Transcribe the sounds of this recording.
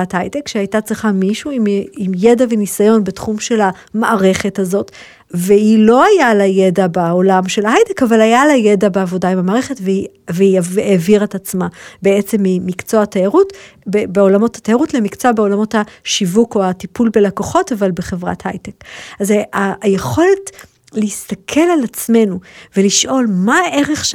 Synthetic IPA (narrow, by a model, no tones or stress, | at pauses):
athajtekʃehajtat͡sʁiχamiʃuimimjedavenisajo̞nbetχumʃe̞la | maʔaʁe̞χe̞tazo̞t | veilo̞ajalajedabaolamʃe̞lahajtekavalajalajedabeavo̞daimamaːʁeχe̞tvei | veiaeviʁetat͡smabeet͡se̞mːimikt͡soatajaʁutbebeo̞lamo̞thḁtajaʁutle̞mikt͡soabeo̞lamo̞thaʃivuko̞atipulbe̞lakoχo̞tavalbeχe̞vʁa̰tha̰jtekazajeχo̞le̞t | lehist̪akʰe̞lalat͡sme̞nuve̞liʃʔo̞lmaʔe̞ʁeχ